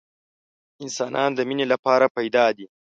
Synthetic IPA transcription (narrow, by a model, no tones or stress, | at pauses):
ɪnsɑːnʔɑnd̪əminelapɑɾapajd̪ɑd̪i